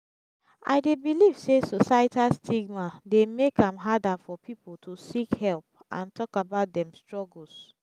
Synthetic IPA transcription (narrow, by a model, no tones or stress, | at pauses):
a̰ɪdebiliv̥sesosatastʰiɡmademekãmɦadafɔpʰipoltʰusikhɛlp̚ʔã̰ntʰɔkabaʊt̚dɛ̃mstɹɔɡl̩s